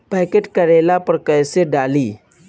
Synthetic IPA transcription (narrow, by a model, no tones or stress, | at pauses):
pɛːkeʈkəɾeːlapɐɾkɐɪseɖaːliː